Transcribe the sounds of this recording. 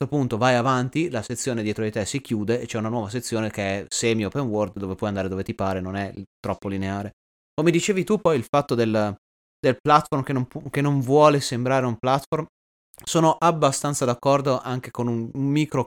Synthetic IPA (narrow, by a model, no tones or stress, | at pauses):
opunt̪ovajavant̪ilaset̪sːjoːned̪jɛːt̪ɾoit̪ɛsik̟juːd̪eːt͡ʃɛunanwɔːvas̬et̪sːjoːnekeɛsɛmjopenword̪d̪oːvepwɔjand̪aːɾed̪oːvet̪ipaːɾenonɛt̪ɾɔpːolineaːɾe | komed̪it͡ʃeːvit̪upɔjilfat̪ːod̪el | d̪elplat̪formkenompkenːoɱvwɔːlesembɾaːɾeumplat̪form | soːnoʔabːast̪ant̪sad̪akːɔrd̪oʔaŋkekonummiːkɾo